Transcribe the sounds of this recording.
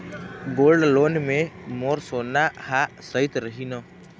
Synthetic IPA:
ɡoːlɖloːnmẽmoːɾsoːnahasəɪt̪ɾəɦinoː

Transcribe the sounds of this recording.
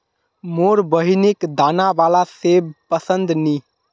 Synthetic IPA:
moɾbəɦinikd̪aːnaʋalasebpəsənd̪ni

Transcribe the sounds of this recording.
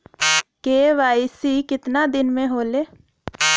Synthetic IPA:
keːʋaːɪisikɪt̪nad̪ɪnmẽɦoːleː

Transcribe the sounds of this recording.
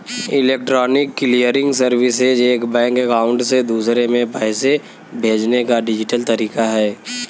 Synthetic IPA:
ɪleːk̚ʈɾɔːnɪkːlijəɾɪ̃ŋɡsəɾʋɪsɪd͡ʒeːkbɛ̃ːŋkɛkaːʊ̃ɳɖsed̪uːsɾemẽpɛːse | bʱeːd͡ʒnekaɖɪd͡ʒɪʈəlt̪ɐɾiːkaɦɛː

